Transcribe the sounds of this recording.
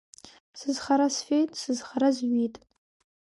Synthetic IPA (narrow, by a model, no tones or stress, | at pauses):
sɨzχaɾasfʲejtʼsɨzχaɾazɥitʼ